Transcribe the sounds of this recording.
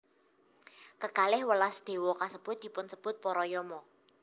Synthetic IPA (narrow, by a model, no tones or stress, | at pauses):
kəɡ̥alɪhwəlasd̪̥e̤wɔkasəb̥ʊt̪̚d̪̥i̤pʊnsəb̥ʊt̪̚pɔɾɔjɔmɔ